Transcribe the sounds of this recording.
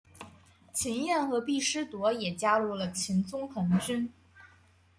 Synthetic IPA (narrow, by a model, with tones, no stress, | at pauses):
t͡ɕʰi˧˥njɛ˥˩nxɤ˧˥pi˥˩ʂɻ̩˥t̪wɔ˧˥jɛ˨˩t͡ɕja˥lu˥˩lə˩t͡ɕʰi˧˥nt͡sʊ˥ŋxʰɤ˧˥ŋt͡ɕy˥n